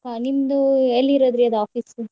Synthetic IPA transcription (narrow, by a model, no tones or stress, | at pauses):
animd̪uelːiɾoːd̪ɾiɐd̪uaːfiːsu